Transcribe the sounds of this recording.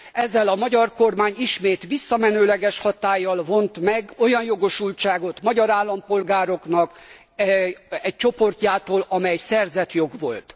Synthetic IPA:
ɛzːɛlɒmɒɟɒrko̞rmaːɲiʃmeːt̪ʋisːɒmɛnøːlɛɡɛʃhɒt̪aːjːɒlvo̞nt̪mɛɡo̞jɒnjo̞ɡo̞ʃult͡ʃaːɡo̞t̪mɒɟɒɾaːlːɒmpo̞lɡaːɾo̞knɒk | ɛc̚t͡ʃo̞po̞rcaːt̪oːlɒmɛjɛsɛrzɛt̪jo̞ɡʋo̞̰lt̪

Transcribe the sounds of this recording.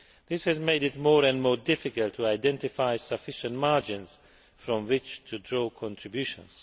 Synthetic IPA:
ðɪshɨzmeɪɾɪtmɔɹɛ̃nmɔːɹdɪfɪkəlˠtʰuaɪdɛ̃ntɪfaɪsəfɪʃə̃nmaɹd͡ʒɪ̃nz̥ | fɹɔ̃mwɪt͡ʃtʰɨdɹokʰɔ̃ntʰɹ̥ɨbjʉʃə̰̃nz̥

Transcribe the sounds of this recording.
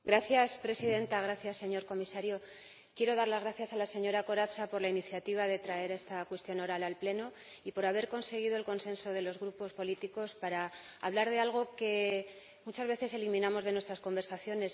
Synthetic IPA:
ɡɾaθjaspɾe̞siðe̞nt̪aɣɾaθjasːe̞ɲo̞ɾko̞misaɾjo̞ | kje̞ɾo̞ðaɾlazɣ̞ɾaθjasalase̞ɲo̞ɾako̞ɾasapo̞ɾlainiθjat̪iβ̞aðe̞t̪ɾae̞ɾe̞st̪akwe̞st̪jo̞no̞ɾalalple̞no | ipo̞ɾaβ̞e̞ɾko̞nse̞ɣ̞iðo̞elko̞nsẽ̞nso̞ð̞e̞lo̞zɣɾupo̞spo̞lit̪iko̞spaɾa̰ːβlaɾðe̞alɣ̞o̞ke̞ | mut͡ʃazβe̞θe̞se̞limĩnamo̞zð̞e̞nwe̞st̪ɾasko̞mbe̞ɾsaθjo̞ne̞s

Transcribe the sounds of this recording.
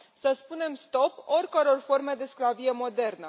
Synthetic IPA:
səspune̞mst̪o̞po̞rʲkəɾo̞rfo̞rme̞d̪e̞sklavije̞mo̞d̪e̞rnə

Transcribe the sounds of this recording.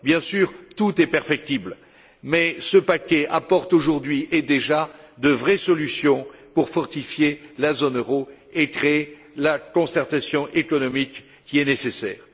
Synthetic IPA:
bjɛ̃syːʁt̪ut̪ɛpɛʁfɛk̚t̪ibl | mɛsəpakʲɛʔapɔʁt̪oʒuʁd̪ɥiʔed̪eʒad̪əvʁɛsɔlysjɔ̃puʁfɔʁt̪ifjelazonøʁoekχeː | lakɔ̃sɛʁt̪asjɔ̃ʔekɔnɔmikːʲ | iɛnesesɛ̰ːʁ

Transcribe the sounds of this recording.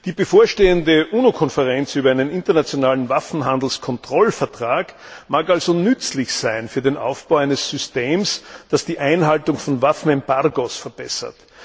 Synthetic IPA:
d̥iːbəfoːɐʃteːəndəʔuːnokʰɔnfɛʁɛnt͡syːbɐæɪnənɪntɐnat͡sjonaːlənvafn̩ɦãnd̪l̩skʰɔntʁ̥ɔlfɛɐtʁ̥aːk | maːkalzonʏt͡slɪçsæɪnfyːɐdeːnʔa̰ʊfb̥aʊæɪnəsːʏsteːmsd̥asd̥iːʔæɪnɦaltʊŋfɔnvafn̩ɛmbaʁɡosfɛɐb̥ɛsɐ̰t

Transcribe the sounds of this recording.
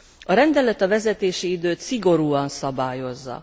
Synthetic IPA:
ɒɾɛnd̪ɛlɛt̪ɒvɛzɛt̪eːʃiid̪øːt̪siɡo̞ɾuːɒnsɒbaːjo̞zːɒ̰

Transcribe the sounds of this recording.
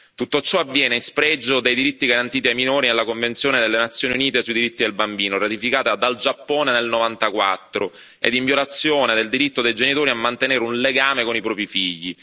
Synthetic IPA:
t̪ut̪ːot͡ʃːɔavːjɛːneispɾɛd͡ʒːod̪ejd̪iɾit̪ːiɡaɾant̪iːt̪iajminoːɾinelːakoɱvent̪sjoːned̪elːenat̪sːjoːniuniːt̪esuid̪iɾit̪ːid̪elbambiːnoɾat̪ifikaːt̪ead̪ald͡ʒapːoːnenelnovant̪akwat̪ːɾo | ḛd̪iɱvjolat̪sːjoːned̪eld̪iɾit̪ːod̪ejd͡ʒenit̪oːɾiamːant̪eneːɾeunleɡaːmekonipɾɔːpɾifiʎːi

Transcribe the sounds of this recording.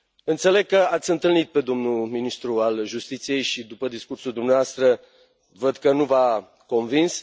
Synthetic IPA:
ɨnt̪sele̞ɡ̚kːəat̪sʲɨnt̪ɨlnit̪̚pe̞d̪o̞mnulminist̪ɾualʒust̪it̪sije̞jʃid̪upəd̪iskursuld̪umneaast̪ɾə | vəd̪kənuva | ko̞nvins

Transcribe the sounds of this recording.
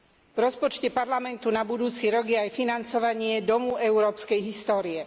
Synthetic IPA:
vɾɔspɔt͡ʃcɛpaɾlamɛnt̪unabud̪uːt͡siɾɔɡjɛajfinant͡sɔʋaɲɪɛd̪ɔmuɛuɾɔːpskɛjɦist̪ɔːɾiɛ

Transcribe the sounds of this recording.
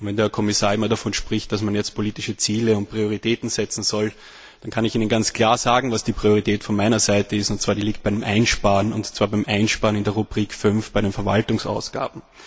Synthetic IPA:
ntvɛndeɐkʰɔmɪsaːɐɪmːɐdafɔnʃpʁ̥ɪçt̚d̥asmanjɛt͡st̚pʰoliːtɪʃət͡siːləʊnt̚pʁ̥ioʁitʰeːtn̩z̥ɛt͡sn̩zɔl | d̥ankʰanɪçiːnənɡant͡skʰl̥aːɐz̥aːɡŋ̩vasd̥iːpʁ̥ioʁ̞itʰɛːtfɔnmaɪnɐzaɪtəɪstʊnt̚t͡sːvaːɐdiːliːk̚t̚b̥æɪɾɪmʔæɪnʃpaːʁənʊ̰ntt͡sv̥aːɐbæɪmʔæɪnʃpaːɐənɪndeɐʁubʁiːkfʏnfb̥aɪɾenfɛɐvaltʊŋsa̰ʊsɡ̥a̰ːbm̩

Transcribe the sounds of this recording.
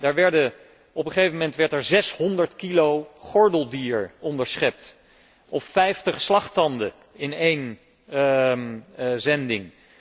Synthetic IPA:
daːɹʋɛɹdə | ɔpχəχejvəmɛntʋɛɹtɛɹzɛsɦɔndəɹtkilowχɔɹdəlˠdiːɹɔndəɹsχɛp̚t | ʔɔpfɛjftəχslɑχtɑndə | ɪnejn | zɛndɪŋ

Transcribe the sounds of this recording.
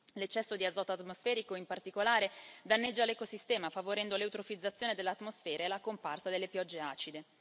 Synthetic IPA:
let͡ʃːɛsːod̪iad̪zɔːt̪oat̪mosfɛːɾikoimpart̪ikolaːɾed̪anːed͡ʒːalekosist̪ɛːmafavoɾɛnd̪oleut̪ɾofid̪zːat̪sːjoːned̪elːeat̪ːmosfɛːɾaelakomparsad̪elːepjɔd͡ʒːea̰ːt͡ʃid̪e

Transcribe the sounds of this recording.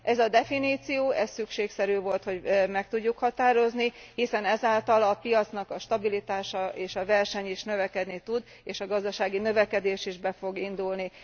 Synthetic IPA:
ʔɛzɒd̪ɛfiniːt̪sijoːʔɛssykʃeːksɛɾyːvo̞lt̪ho̞ɟmɛk̚t̪uɟːukhɒt̪aːɾo̞znihisɛnɛzaːlt̪ɒlɒpijɒt̪snɒkɒʃt̪ɒbilit̪aːʃɒeːʃɒvɛrʃɛɲiʃnø̞vɛkɛd̪nit̪ud̪ | eːʃɒɡɒzd̪ɒʃaːɡinø̞vɛkɛd̪eːʃiʒbɛfo̞ɡind̪ulni

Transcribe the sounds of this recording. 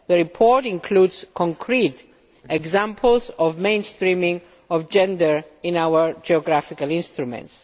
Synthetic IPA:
ðəɹipʰɔɹtĩnkʰludz̥kʰɔ̃ŋkʰɾit | ɛɡzãmpʰəlzɔvmẽɪ̃nst̪ɹĩmĩŋ | ɔvd͡ʒɛ̃ndəɹɪ̃nawəɹd͡ʒiɔɡɾafikalɪ̃nst̪ɾumɛ̰̃nts

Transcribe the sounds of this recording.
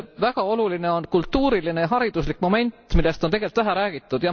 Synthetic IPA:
væɡ̥ɑo̞luline̞o̞nkult̪ːuːɾiline̞jɑɦɑɾid̪̥uslikːˑmo̞me̞nʲt̪ːˑmilːe̞st̪ont̪e̞ɡelt̪væɦæɾæːɡ̥it̪ˑːud̪̥jɑ

